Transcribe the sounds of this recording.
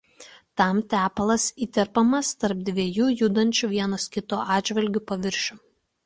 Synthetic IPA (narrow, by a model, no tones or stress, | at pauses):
t̪ɐˑmt̪ʲæːpɐlˠɐsiːt̪ʲɛɾpɐmɐst̪ɐɾp̚d̪ʲʋʲiɛjuːjuːd̪ɐnʲt͡ʃʲuʋʲiɛnɐskʲɪt̪oːʔɑːd̪d͡ʒʲʋʲɐlʲɡʲʊpɐʋʲɪɾʲʃʲʊ